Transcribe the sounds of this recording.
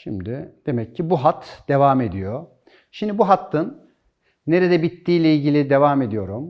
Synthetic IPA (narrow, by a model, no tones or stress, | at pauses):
ʃimd̪ɪd̪̥e̞mɛcʰːibuɦat̪d̪̥e̞vaːme̞d̪ijo | ʃimd̪ibuɦat̪ʰːɯnː | e̞ɾed̪ɛbit̪ːiːlʲɛilʲɟilʲid̪e̞vaːme̞d̪ijo̞ɾum